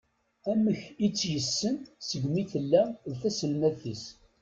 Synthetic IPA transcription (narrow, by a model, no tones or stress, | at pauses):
æməçit͡sːjəsːənsəɡmiθəlːæðθæsəlmæðθis